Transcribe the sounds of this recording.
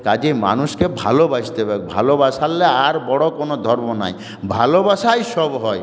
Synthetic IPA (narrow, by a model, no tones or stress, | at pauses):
kad͡ʒema̰nuʃkebʱa̰lobast̪ebakbʱa̰lobaʃalːeaɾbɔɽokonod̪ʱɔɾmona̰j | bʱalobaʃajʃɔbɦɔj